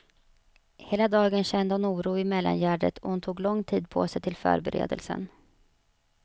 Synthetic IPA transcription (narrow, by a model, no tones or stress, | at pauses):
heːlad̪ɑːɡənɕɛnd̪əhʊnuːɾuːɪmɛlːa̰njæːɖət̪ʰɔhʊnt̪ʰuːɡlɔŋt̪ʰiːd̪̚pʰo̰ːsɛjt̪ʰɪlfœ̰ːɾbɛɾḛːd̪əlsən